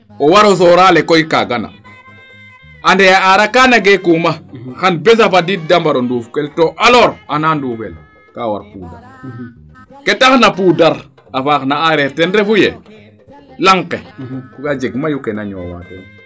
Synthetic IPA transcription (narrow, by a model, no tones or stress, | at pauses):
ɔwaɾɔsɔɾalekɔjkaɡana̰ | andɛjaaɾakaːnaɡekumaxanbɛs̬afadit̚dambaɾondufkɛltoʔalɔɾananduːfɛl | kawa̰ɾpuda̰ɾ | kɛtaxnapuːdaɾ | afaknaaɾɛɾtɛnɾefujɛ | laŋkɛkukad͡ʒeɡmajukɛnaɲɔ̰wa̰tɛn